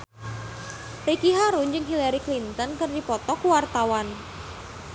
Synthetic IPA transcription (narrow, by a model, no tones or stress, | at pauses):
rikiɦaɾund͡ʒɨŋɦilaɾiklint̪ɔnkɨrdipɔt̪ɔkuwart̪awan